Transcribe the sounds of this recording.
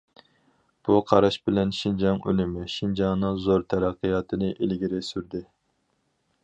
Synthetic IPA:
b̥uqʰɑɾɑʃbɪlɛnʃind͡ʒɑŋø̰lɪmɪʃind͡ʒɑŋnɨŋzoɾt̪ʰɛɾɑqʰːɨjɑːt̪ʰɨnɨʔelɡʲiɾɪsyɾd̪ɪ

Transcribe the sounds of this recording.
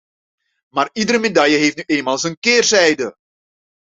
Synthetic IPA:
maːridəɾəmedɑjəɦeftnyʔeːnmaːlˠzənkɪːrzɛjdə

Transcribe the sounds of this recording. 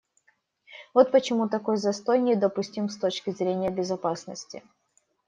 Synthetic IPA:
vo̞t̪̚pət͡ɕɪmut̪ɐko̞jzɐst̪o̞jnʲɪd̪əpʊsʲtʲimst̪o̞t͡ɕkʲɪzɾʲenʲɪjəbʲɪzɐpasnəsʲtʲɪ̰

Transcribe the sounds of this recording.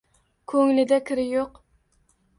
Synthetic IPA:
kʲʰøŋlɪd̪ɛkʲʰɪɾɪjoq

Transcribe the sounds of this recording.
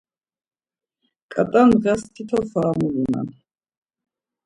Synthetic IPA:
kʼat̪ʼanʁɛst̪ʰit̪ʰɔfaːmulina̰n

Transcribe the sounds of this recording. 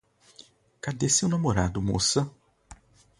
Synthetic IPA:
kad̪esewnamoɾad̪ʊmo̰sɐ

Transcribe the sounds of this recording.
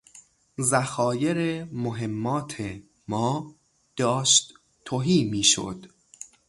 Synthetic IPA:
zæxɒːje̞ɾemoɦe̞mːɒːt̪ʰe | mɒː | d̪̥ɒːʃt̪ | t̪ʰːoɦiːmiːʃo̰d̪̥

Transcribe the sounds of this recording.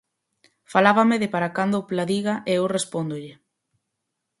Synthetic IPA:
falaβameðɪpaɾakand̪oplaðiɣaʔeewrespond̪ʊʎɪ

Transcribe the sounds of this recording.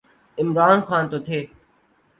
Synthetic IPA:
ɪmɾaːnxaːnt̪oːt̪ʰeː

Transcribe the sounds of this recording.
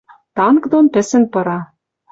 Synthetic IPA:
t̪ɑnkd̪onpɘ̆sɘ̆npɤ̆ɾɑ

